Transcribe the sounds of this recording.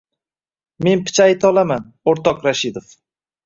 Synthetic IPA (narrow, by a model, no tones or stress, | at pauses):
me̞npɪ̥t͡ʃʰajt̪ʰɒlˠaman | oɾt̪ɒqɾaʃɪd̪of